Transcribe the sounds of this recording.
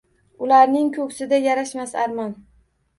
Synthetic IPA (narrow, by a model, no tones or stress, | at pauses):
ʊlaɾnɪŋkʰɵkʲsɪd̪ajaɾaʃmasa̰ɾmɒn